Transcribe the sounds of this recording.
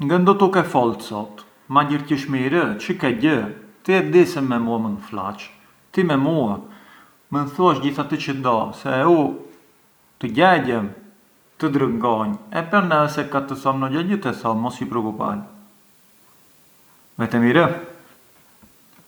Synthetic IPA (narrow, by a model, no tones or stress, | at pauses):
ŋɡənd̪ɔt̪ukɛfɔlˠt̪sɔt̪ | maɟəɾcəʃmiɾət͡ʃəkɛɟət̪əjɛt̪̚d̪isəmːɛmuamənfla̰t͡ʃ | t̪imɛmua | mənθuaʃɟiθat̪ət͡ɕəd̪ɔsɛu | t̪əɟɛɟɛm | t̪əd̪ɾəŋɡɔɲɛpɛɾnɛɛsɛkat̪əsɔmnɔɟɛɟət̪ɛsɔmɔsipɾɔkupa̰l | vɛt̪ɛmiɾə